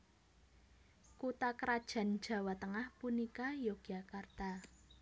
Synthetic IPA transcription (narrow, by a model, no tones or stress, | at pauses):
kut̪akəɾad̥ʒ̥ä̤n̥ʒ̥ä̤wat̪əŋahpunikajoɡ̥akart̪a